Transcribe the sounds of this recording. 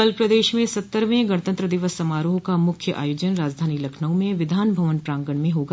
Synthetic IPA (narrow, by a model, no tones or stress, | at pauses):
əlpɾɐd̪eːʃmẽsɐt̪ːəɾʋẽɡɐɽ̃t̪ə̃nt̪ɾəd̪ɪʋəsːɐmaːɾoːɦkamʊkʰjəʔa̰ːjoːd͡ʒənɾaːd͡ʒd̪ʱaːnilɐkʰnəõmẽʋɪd̪ʱaːnbʱɐʋənpɾãːŋɡəɳmẽɦoːɡa